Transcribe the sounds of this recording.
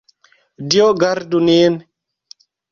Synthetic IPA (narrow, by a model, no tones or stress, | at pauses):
dioɡaɾdunen